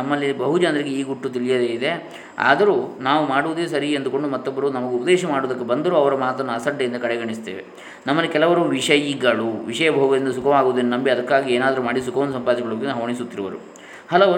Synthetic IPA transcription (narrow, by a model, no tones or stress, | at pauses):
ɐmːɐlːibɐɦud͡ʒaːnd̪ɾiɡeiːɡuʈːut̪̬ilijɐd̪eːid̪e̞ | a̰ːd̪ɐɾuːnaːʋumaːɽuʋud̪eːsɐɾiend̪uko̞ɳɖumɐt̪ːɔbːɐɾuːnɐmɐɡeupɐd̪eːʃɐmaːɽoːd̪ɐkːebɐnd̪ɐɾuːɐʋɐɾɐmaːt̪ɐnːɐsɐɖːɐind̪ɐkɐɽɛɡɐɳist̪ḛːʋḛ | nɐmːɐlːikɛlɐʋɐɾuʋiʂɐjiɡɐɭuʋiʂɐjɐbʱɐɦuɡɐd̪ind̪ɐs̬ukɐʋaːɡoʋd̪ɐnːunɐmbiɐd̪ɐkːaːɡieːnaːd̪ɐɾumaːɽisukɐʋɐnd̪sɐmpaːd̪iʃɛɡɐɭubkːnɐɦɐʋɐɳis̬ut̪ːiɾuʋɐɾṵ | hɐlɐʋ